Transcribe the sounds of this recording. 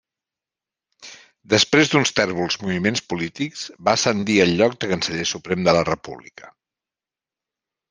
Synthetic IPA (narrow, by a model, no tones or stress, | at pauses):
d̪əspɾezd̪unst̪ɛrβulˠzmuβimenspulit̪ikz̥basənd̪iəlʎːɔk̚d̪əkənsəʎesupɾɛmd̪ələrəpṵβlḭkə̥